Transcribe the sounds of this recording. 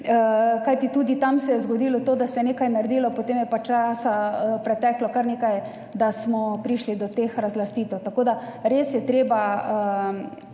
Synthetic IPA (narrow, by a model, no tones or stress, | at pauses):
əkajt̪it̪uːd̪it̪amsɛjɛzɡod̪iːlɔt̪oːd̪asɛjneːkajnaɾd̪iːlɔpot̪eːmjɛpat͡ʃasapɾɛt̪ɛːklɔkaɾnekaj | d̪asmɔpɾiʃlid̪ɔt̪exɾazlast̪iːt̪ɛwt̪akoːd̪aɾesjɛt̪ɾeːbaə